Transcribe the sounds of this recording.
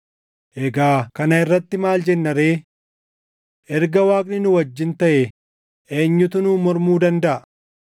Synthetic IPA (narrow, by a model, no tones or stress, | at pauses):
ʔɛɡaːkɐnɐɪrːɐt̪ːɪmaːld͡ʒɛnːɐɾeː | ʔɛɾɡɐwaːkʼnɪnʊwɐd͡ʒːɪnt̪ɐʔɛ | ʔe̞ːɲːʊt̪ʊnuːmɔɾmuːd̪ɐnd̪ɐʔɐ